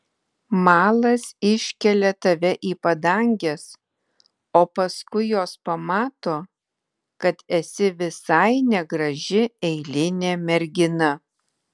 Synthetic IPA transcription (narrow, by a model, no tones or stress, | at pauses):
mɑːlˠɐsɪʃʲkʲɛlʲɛt̪ɐʋʲɛʔiːpɐd̪ɐŋʲɡʲɛs | oːpɐskʊɪjoːspɐmɑːt̪oː | kɐt̪ɛsʲɪʋʲɪsɐɪnʲɛɡɾɐʒʲɪɛɪlʲɪnʲeːmʲɛɾʲɡʲɪnɐ